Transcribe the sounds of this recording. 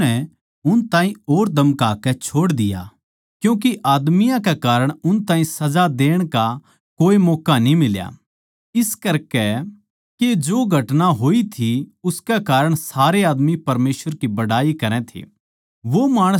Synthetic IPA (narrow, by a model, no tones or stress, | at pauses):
ɛ | ʊnt̪ãːĩoːɾd̪ʱɐmkaːkɛt͡ʃʰoːɽd̪ɪja̰ | kjũːk̬iʔaːd̪mɪjãk̬ekaːɾəɽ̃ʊnt̪ãːɦĩsɐd͡ʒad̪eːɽ̃ka | koːimɔːkanĩmɪlja̰ | ɪskɐɾkɛ | ked͡ʒoːɡʱɐʈnaɦoːit̪ʰiʊskɛkaːɾəɽ̃saːɾeaːd̪mipɐɾmeːsʋəɾkibɐɽaːikɐɾɛ̃t̪ʰḛː | ʋomaːɽ̃ə